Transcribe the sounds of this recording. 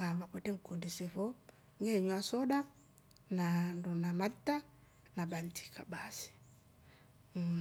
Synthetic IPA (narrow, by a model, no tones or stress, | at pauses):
ŋɡamakwɛtɛŋ̩kundisɛfɔ | ŋɡɛɲwasɔɗa | nandunamata | naɓanti̥kʰaɓasi̥